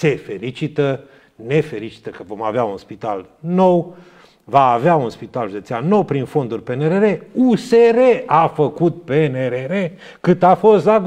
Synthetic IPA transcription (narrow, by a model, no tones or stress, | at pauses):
se̞fe̞lit͡ʃit̪ə | ne̞fe̞lit͡ʃi̥t̪əkəvo̞ma̰veaunspit̪a̰l | no̞w | vaːveaunspit̪alʒud̪e̞t̪sianːo̞wpɾinfo̞nd̪urʲpeneɾeɾeuse̞ɾeafəkut̪̚peneɾeɾe | kɨt̪afo̞st̪da